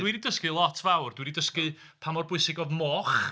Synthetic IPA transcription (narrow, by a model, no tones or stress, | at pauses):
d̥wididəskɨlˠɔtʰvawrd̥wididəskɨ | pʰamɔrbʊɨsɪɡɔðmɔχ